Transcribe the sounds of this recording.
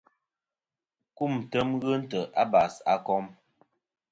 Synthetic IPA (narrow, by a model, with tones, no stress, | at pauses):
ku˦˨m˨tə˦mɣə˦n̩˦tə˨ʔa˦ba˨sa̰˦kɔ˦m